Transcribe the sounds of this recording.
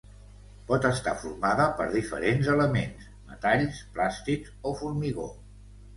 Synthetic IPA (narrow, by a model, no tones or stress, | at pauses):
pɔt̪əst̪afuɾmaðəpə̰ɾðifə̰ɾenzələmens | mə̰t̪aʎsplast̪ik | ofuɾmiɣo̰